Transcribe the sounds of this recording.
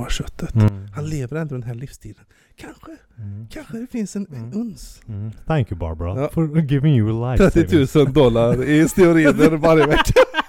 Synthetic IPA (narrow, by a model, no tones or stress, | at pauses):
aʂœt̪ʰːət̪hanleːvəɾɛnd̪ɾɔd̪ɛnɦæːɭifst̪ʰiːd̪ən | kʰanɧə | kʰanɧəd̪ɛfɪnsɛnɛnɵnsθæŋkjəbɑ̰ɾbəɾafɔɾɡɪvɪŋjəəlaɾɛt̪ːɪt̪ʰʉ̟ːsənd̪ɔlːaɾɪst̪ɪʊɾiːnəɾvaɾjəvɛkʰːa